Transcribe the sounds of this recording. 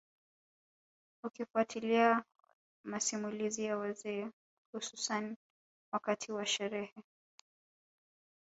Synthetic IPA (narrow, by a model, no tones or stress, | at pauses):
ukifuatʰilia | masimulizijawazɛː | hususan | wakatʰiwaʃɛɾɛhɛ